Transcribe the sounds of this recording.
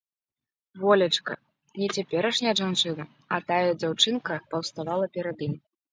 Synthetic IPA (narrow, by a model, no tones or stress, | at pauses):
vɔlʲɐt͡ʂkɐ̰ | nʲɛt͡sʲapʲɛɾɐʂnʲɛɐʐant͡ʂɨnɐ | ɐt̪ajɐd͡zʲawt͡ʂɨnkɐpɐwst̪avalˠɐpʲɛɾad̪ɨmʲ